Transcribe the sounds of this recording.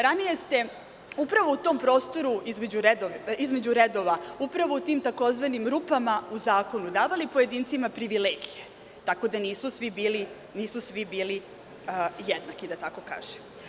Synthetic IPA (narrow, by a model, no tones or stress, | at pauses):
ɾanije̞st̪e̞ | upɾaʋout̪o̞ːmpɾo̞ːst̪o̞ɾuizme̞d͡ʑuɾed̪oizme̞d͡ʑuɾed̪o̞ʋaupɾaʋo̞ut̪iːmt̪ako̞zʋanimɾupamauzaːko̞nud̪aːʋalipoje̞d̪iːnt̪simapɾiʋileɡije | t̪ako̞d̪aniːsusʋibiːli | niːsusʋibiːli | jed̪nakid̪at̪ako̞ka̰ːʒ̥em